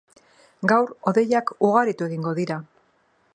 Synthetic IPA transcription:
ɡawɾo̞ðe̞jakuɣaɾit̪ue̞ɣiŋɡo̞ðiɾa

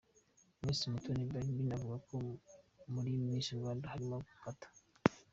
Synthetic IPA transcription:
miːsumutʰonibaibinavuɡakomuɾiwimiːnsiuβaːndahaɾimaɡufatʰḁ

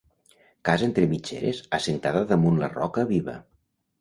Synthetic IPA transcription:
kazent̪ɾemit͡ʃḛɾḛzəsent̪aðəðəmunlə̰rɔkəβiβə̰

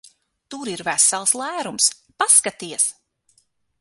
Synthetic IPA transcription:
t̪uɾiɾvæsɛlˠslˠæːɾumspaskat̪iɛs

